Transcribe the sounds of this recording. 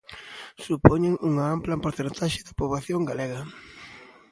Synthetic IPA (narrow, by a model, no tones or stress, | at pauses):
supoɲeŋuŋɐamplɐmpoɾθent̪aʃɪðɐpoβlaθjoŋɡaleɣɐ